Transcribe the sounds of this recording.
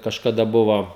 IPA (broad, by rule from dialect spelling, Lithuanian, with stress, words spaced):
kɐʃkɐˈdɐ ˈbʊʋoː